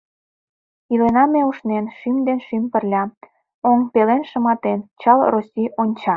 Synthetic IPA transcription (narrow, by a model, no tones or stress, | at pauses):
ilenɑmeuʃnenʃimd̪enʃimpə̆rlʲɑ | oŋpelenʃə̆mɑt̪ent͡ɕɑlrosʲiʔonʲt͡ɕɑ